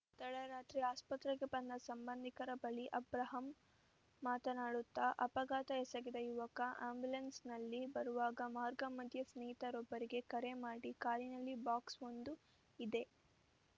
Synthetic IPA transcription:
t̪ɐɽɐɾaːt̪ɾiaːspɐt̪ɾɐɡebɐnd̪ɐsɐmbɐnd̪ʱikɐɾɐbɐɭiʔɐbɾɐɦɐmː | aːt̪ɐnaːɽut̪ːɐʔɐpɐɡaːt̪ɐɛsɐɡid̪ɐjuʋɐkɐʔaːmbulɐnsnɐlːibɐɾuʋaːɡɐmaːɾɡɐmɐd̪ʱjɐsniːɦit̪ɐɾɔbːɐɾiɡe̞kɐɾe̞maːɽikaːɾinɐlːibaːksond̪u | id̪e̞

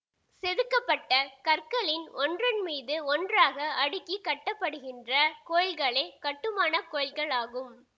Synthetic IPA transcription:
sɛðɯkːɐpːɐʈːɐkɐɾkɐɭɪnɔndrɐnmiːðɯɔndraːɣɐɐɽɯkːikːɐʈːɐpːɐɽɯɣɪndrɐkoːɻɐlɣɐɭɐɪkɐʈːɯmaːnɐkoːɻɐlɣɐɭaːɣɯm

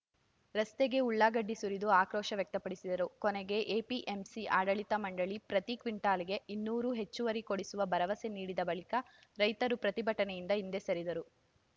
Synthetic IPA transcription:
ɾɐst̪eɡe̞uɭːaːɡɐɖːisuɾid̪uaːkɾɔːʃɐʋjɐk̚t̪ɐpɐɽisid̪ɐɾukɔneɡe̞ʔeːpiʔemsiaːɽɐɭit̪ɐmɐɳɖɐɭipɾɐt̪ikʋiɳʈaːliɡe̞inːuːɾuɦe̞t͡ʃːuʋɐɾikoɽisuʋɐbɐɾɐʋɐse̞niːɽid̪ɐbɐɭikɐ | ɾɐjt̪ɐɾupɾɐt̪ibʱɐʈɐnejind̪ɐind̪e̞sɐɾid̪ɐɾu

